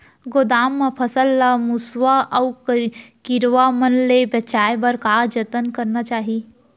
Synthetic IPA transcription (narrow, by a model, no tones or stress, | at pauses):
ɡod̪aːmːepʰəsəlːamuswaʔəwkkiɾʋamənlebət͡ʃaːjbəɾkaːd͡ʒət̪ənkəɾnat͡ʃaːɦi